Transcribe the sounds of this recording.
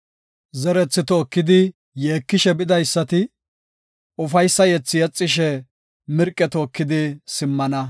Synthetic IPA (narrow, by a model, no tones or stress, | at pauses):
zɛɾɛt͡sːɪt̪oːkːɪd̪ɪ | je̞ːkːɪʃɛbɪd̪ɐjsːɐt̪ɪ | ʊfɐjsːɐjɛt͡sːɪjɛt͡sʼːɪʃɛ | mɪɾkʼːɛt̪oːkːɪd̪ɪsɪmːɐnɐ